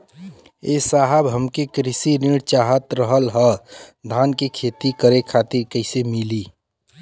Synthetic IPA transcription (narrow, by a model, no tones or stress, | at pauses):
esaɦəbɦəmkekɾɪsiniɽt͡ʃaɦət̪ɾəɦəlɦəd̪ʱaːnkekʰet̪ikəɾekʰat̪iɾkəɪsemiliː